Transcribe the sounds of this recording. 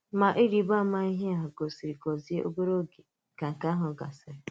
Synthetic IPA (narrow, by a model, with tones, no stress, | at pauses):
ma˨ʔi˦ɾi˨˦ba˦ma˦i˦ɦe˦a˨ɦa˨ɡo˨si˨ɾi˨kɔ˨zi˦e˦ʔo̰˦bo˦ɾo˦ɡe˨ | ka˨ŋ̩˨ka˦ɦʊ˨ɡa̰˨sɪ˨ɾe˨˦